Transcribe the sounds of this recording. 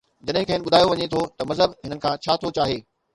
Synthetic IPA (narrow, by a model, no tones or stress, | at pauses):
d͡ʑɐɗɦɪ̃kʰɐ̃ːnɪ̆ɓʊd̪ʱaːjoʋɐɲet̪ʰot̪ɐmɐzɦəbɦɪnənɪkʰãːt͡ɕʰaːt̪ʰot͡ɕaːɦeː